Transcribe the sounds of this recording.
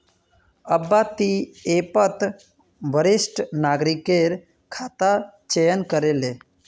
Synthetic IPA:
əbːat̪iepət̪ | ʋəɾɪsʈnaːɡɾikeɾ | kʰaːt̪at͡ʃejənkəɾele

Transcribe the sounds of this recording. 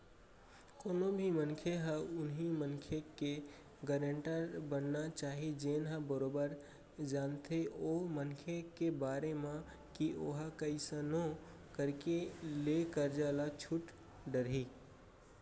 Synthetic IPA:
koːnobʱimənkʰeɦə̃ʊnɦimənkʰjeke | ɡəɾəɳʈəɾbənːat͡ʃaɦid͡ʒenɦə̃bəɾobəɾ | d͡ʒant̪ʰeʔomənkʰjekebaɾemã | kioɦakəɪsəno | kəɾkelekəɾd͡ʒalat͡ʃʰuʈ | ɖəɾɦi

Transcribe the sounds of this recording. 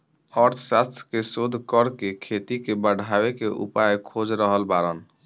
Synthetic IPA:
ɔɾt̪ʰsast̪ʰkesod̪ʱkəɾkekʰet̪ikebəɽ̤ʱabekeʔṵpajkʰod͡ʒɾəɦəlbaɾən

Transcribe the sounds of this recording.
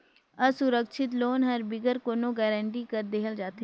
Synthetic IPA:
əsʊɾəkʃʰɪt̪̬loːnɦəɾbɪɡəɾkoːnõːɡɛːɾə̃ɳʈiːkəɾd̪eːəld͡ʒaːt̪e

